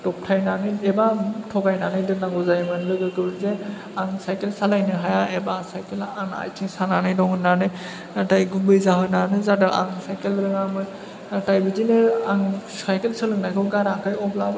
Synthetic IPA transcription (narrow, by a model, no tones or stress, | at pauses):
tɔp̚tʰajnanɯjɛbatʰɔɡajnanɯjdɯnaɡɔzajmɯnlɯɡɯkɯbɯze | aŋsajkelsalajnɯɦajaɛbasajkelana̰jtʰiŋsananɯjdɔŋɯnːanɯj | atajɡubɯjzaɦɯnanɯzadɯʔa̰ŋsajkelɾɯɡamɯ | atajbizinɯaŋsajkelsɯlɯŋnajkʰɯɡaɾakɯjɔblab